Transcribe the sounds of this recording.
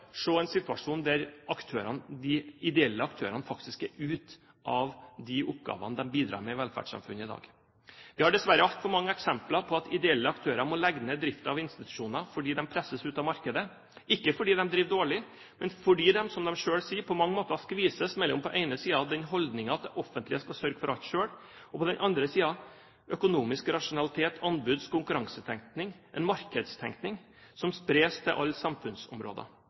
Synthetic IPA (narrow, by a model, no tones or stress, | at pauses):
ʂoːɛɪnsɪt̪ʉɑʂuːnd̪æɾɑkt̪ʰøːɾɑnd̪ɪɪd̪ɛɛlːəɑkt̪ʰøːɾɑnəfɑk̚t̪ɪskɛɾʉːt̪ | ʔɑʋd̪ɪʔʊpɡɑ̰ːʋɑ̰nəd̪ɛmbiːd̪ɾɑ̰ːɾmɛɪʋɛlfæ̰ɖʂɑ̰mfʉnːɪd̪ɑ̰ːɡ | ʋɪhɑɖɛsʋæɾəɑt̪fɔɾmɑŋːəɛksɛmplɑɾpʰɔɑt̪ʰɪd̪ɛɛlːəɑkt̪ʰøːɾɑmɔlɛɡnəd̪ɾɪft̪ɑʋɪnst̪ɪt̪ʉ̥ʂuːnɑfɔɖiːd̪ɛmpʰɾɛsəsʉːt̪ɑmɑɾkəd̪ə | ɪkːəfɔɖiːd̪ɛmd̪ɾiːʋd̪oːɭɪ | mɛnfɔɖiːd̪ɛmsɔmd̪ɛmʂøːɽsiːpʰɔmɑŋːəmoːt̪ɑskʋiːsəsmɛlːɔ̰mpʰɔʔɛɪnəsiːɑd̪ɛnɦɔld̪nɪŋɑɑt̪̚d̪ɛʔɔfːənt̪lɪəskɑsœɾɡəfɔɾʔɑlt̪ʂøːɽ | ɔpʰɔd̪ɛnʔɑnd̪ɾəsiːɑ | ʔœkʊnuːmɪskɾɑʂʊnɑlɪt̪ʰeːt̪ʰɑnbʉd̪skʰʊŋkʉɾɑŋsət̪ʰɛŋkt̪nɪŋʔɛ̰nmɑɾkəd̪st̪ʰɛ̰ŋknɪŋ | sɔmspɾeːst̪ʰɪʔɑ̰lːsɑmfʉnsɔ̰mɾo̰ːd̪ə̰